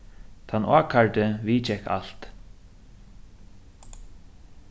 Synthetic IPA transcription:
t̪ʰanːʔa̰ːkʰaɹt̪ɪviːt͡ʃɛka̰l̥t̪

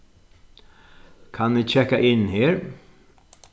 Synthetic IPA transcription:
kʰanʋiːcʰɛkaʔɪnheːɹ

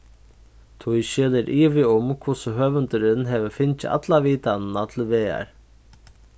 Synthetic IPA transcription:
t̪ʰʊjʃɛːlɛɾʔiːʋɪʊmkʰʊsʊɦœːvʏnt̪ʏɾɪnɦɛʋəfɪnt͡ʃɪʔa̰t̪laviːt̪annat̪ʰɪlʋeːa̰ɹ

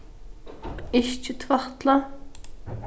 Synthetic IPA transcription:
eʃt͡ʃʰit̪ʰvɑχt̪ʰlˠɑ

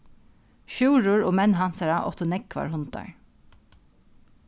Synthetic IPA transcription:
ʃʉːɹʊɹoːmɛnɦɑnsaɹaʔɔ̰t̪ʊnɛkʰʋɑ̰ɹhʊnt̪ɑ̰ɹ

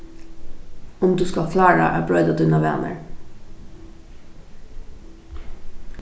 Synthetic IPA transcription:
ʊmd̪ʉːskɑkʰlɑːɹɑ̰ʔæːbɹœʏd̪ɑd̪ʉnɑʋɛ̰nə̰ɹ

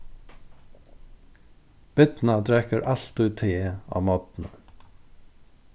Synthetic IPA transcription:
b̥ɪt̪nat̪ɾɛkəɾʔaɬt̪ʉːt̪ʰːɪːa̰ːmɔt̪nə

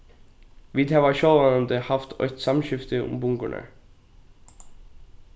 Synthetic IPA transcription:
ʋiːd̪hæːʋɑʃɔlʋɑnənd̪əhɑft̪ʰœ̰ʏt̪sɑmʃʏft̪əʊ̰mbʊŋɡʊ̰ɳʔə̰

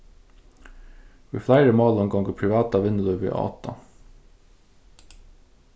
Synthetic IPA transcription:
ʋḭːflæɪɾəmɑːlɔŋɡɑŋɡəpʰɹɪʋɑːt̪ɑʋɪnəlœʋḛːʔɑ̰ːt̪ɑ̰

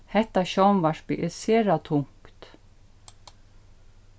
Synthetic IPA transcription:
hɛht̪aɕɔwnvaʂpiʔɪsɛːɾat̪ʰʊŋ̥kt̪

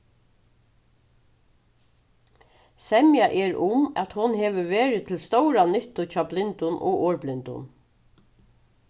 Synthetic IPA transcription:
sɛmjaʔɛɹʊmæt̪hʊnɦeːʋəʋeːɹɪt̪ʰɪlst̪ɔwɾanʏht̪ʊt͡ʃʰɑːblɪnt̪ʊnʔɔ̰ɣɔːɹblɪnt̪ʊ̰n

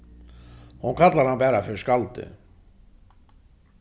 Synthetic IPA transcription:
hunkʰat̪laɾhanbɛːɾafɪɾɪ̥skalt̪ʏ̰

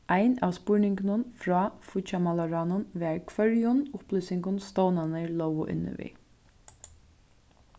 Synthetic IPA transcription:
ajna̰ːʋspʊɹnɪŋknənfɾɑːfʊt͡ʃamalaɹaːnʊnʋɛːɹkʰvœɹjʊnʊplʏːsɪŋkʊnst̪ɔwnanəɹlɔwʋʊ̰ʔɪ̰nːə̰ʋḭ

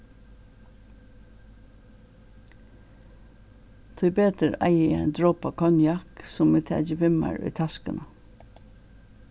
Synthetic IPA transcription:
t̪ʰʊɪbeːt̪əɾæ̰ɪḭːæ̰ɪnd̪ɹoːpɑkʰɔnjɑksʊmiːt̪ʰæ̰ːd͡ʒəʋɪmɑ̰ɹy̰ːt̪ʰɑskənə

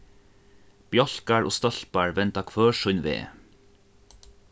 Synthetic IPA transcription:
b̥jɔɬkaɹo̰ːst̪ɔɬpaɹʋɛnt̪akʰvœːʂʊnʋḛː

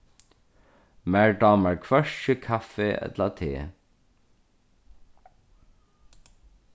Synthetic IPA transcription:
mæɹɖɑːmæɹkʰʋœʃəkʰafeʔɛ̰t̪lat̪ʰḛː

